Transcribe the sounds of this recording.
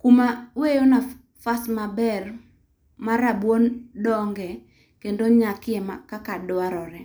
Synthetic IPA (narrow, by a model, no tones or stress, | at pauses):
kumawejona | fasmabɛr | maɾabwondɔŋɡɛ | kendoɲakɪɛmakakadɔaɾɔɾɛ